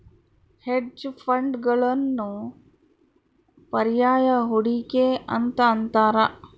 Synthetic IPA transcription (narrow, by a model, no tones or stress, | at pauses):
heɖd͡ʒfʰəɳɖɡəɭənːu | pɐɾjaːjaɦuɽikeɐ̰nt̪ənt̪aːɾa